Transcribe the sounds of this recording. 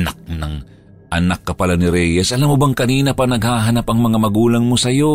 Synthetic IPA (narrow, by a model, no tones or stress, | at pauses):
nak̚nɐŋ | ʔɐnakːɐpalanɪɾɛjɛsʔɐlamːobɐŋkɐniːnɐpɐnɐɡ̚haːɦɐnapɐŋmɐŋamɐɡuːlɐŋmosɐjo̞